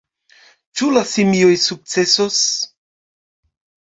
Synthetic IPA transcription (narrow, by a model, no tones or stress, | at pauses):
t͡ʃulasimiojsuk̚t͡se̞sos